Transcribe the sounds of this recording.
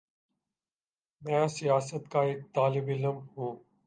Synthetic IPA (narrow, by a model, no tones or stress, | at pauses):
mɛ̃ːsijaːsət̪kaːɪk̚t̪aːlɪbɪzəmhũː